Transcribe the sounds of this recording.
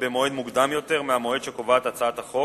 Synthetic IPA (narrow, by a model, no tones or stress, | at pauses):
bemo̞ed̪muɡd̪amjo̞t̪e̞ʁmeamo̞ed̪ʃekovaat̪at͡saat̪haχo̞